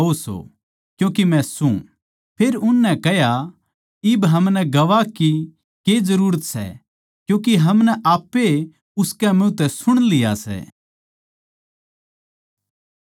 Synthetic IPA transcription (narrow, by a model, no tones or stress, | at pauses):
oso̰ | kjũːkimɛ̃sṵ̃ | pʰeːɾʊnːɛkɛɦja | ɪbɦɐmnɛɡɐʋaki | ked͡zɐɾuːɾət̪sɛ̰ | kjũːk̬iɦɐmnɛʔaːpːe | ʊskɛmɪ̃t̪ɛsʊɽ̃lɪja̰sɛ̰